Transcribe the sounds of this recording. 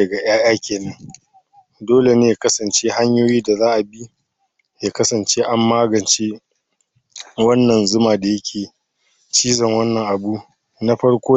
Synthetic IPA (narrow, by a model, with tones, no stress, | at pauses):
ɐ˨ɡa˨ʔj̰aː˦jaː˦kʲeː˨nɐ˦ŋ | doː˦le˨neː˦ja˨kɐ˦sɐ˨nt͡ʃeː˦ha˦ɲjoː˦jiː˦da˨zaː˦ʔa˨bi˦ | jaː˦kɐ˦sɐ˨nt͡ʃe˦ʔa˦mːaː˦ɡɐ˨nt͡ʃe˦ | wɐ˦nːɐ˨nzʊ˦maː˨da˨jɐ˦kʲʰeː˨ | t͡ʃiː˦zɐ˨ŋwɐ˦nːɐ˨ŋʔa˨bu˦ | na˦ɸɐ˦ɽkʷoː˦